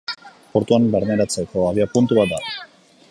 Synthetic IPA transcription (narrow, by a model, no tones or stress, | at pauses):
poɾt̪uambeɾmeɾat͡se̞ko̞aβiapunt̪uβat̪̚d̪al